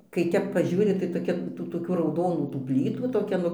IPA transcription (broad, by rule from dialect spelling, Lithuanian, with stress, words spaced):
kɐɪ ˈtʲɛp pɐˈʒʲuːrʲɪ tɐɪ toːˈkʲɛ tuː toːˈkʲuː rɐʊˈdoːnuː tuː ˈpʲlʲiːtuː toːˈkʲɛ nʊ